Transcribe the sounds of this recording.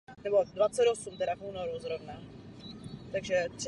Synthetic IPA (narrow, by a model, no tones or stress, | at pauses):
nɛbo̞dvat͡sɛd̪osumt̪ɛɾafuːnoɾuzɾovna | t̪aɡʒɛt̪r